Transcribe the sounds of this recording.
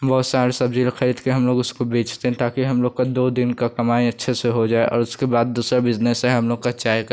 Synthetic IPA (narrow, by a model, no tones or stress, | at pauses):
bɔːt̪saːɾsɐbd͡ʒiːlxʰɐɾid̪keɦɐmloːɡʊskobeːt͡ʃʰt̪eɦɛ̃t̪aːkiɦɐmloːɡkad̪oːd̪ɪnkakɐmaːĩɐtːʃʰeseɦod͡ʒaːeʔɔ̰ːɾʊskebaːd̪̚ːuːsɾabɪznɛsɦɛ̃ɦɐmloːɡkat͡ʃaːjk